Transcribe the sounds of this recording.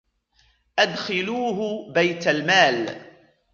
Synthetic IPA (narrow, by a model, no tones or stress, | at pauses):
ʔad̪xɪluːɦʊbajt̪almaːl